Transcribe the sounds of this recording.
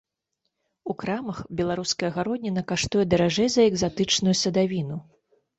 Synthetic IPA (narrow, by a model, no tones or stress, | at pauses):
ukɾamɐxbʲɛlˠaɾuskɐjɐɣaɾɔd̪ʲnʲinɐkaʂt̪ujɛd̪ɐɾaʐɛjzɐɛɡzat̪ɨt͡ʂnujusɐd̪avʲinu